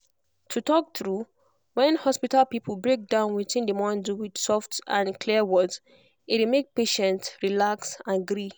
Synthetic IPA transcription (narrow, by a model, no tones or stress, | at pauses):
tʰutɔk̚θɹu | wɛ̃nhɔspitalpipʰlbɹek̚dãʊ̃nwitĩndəmɔ̃nduwid̥sɔftãnkʰliəwɔdz | ɪtimek̚peʃɛ̃ntɹilaksãnɡɹi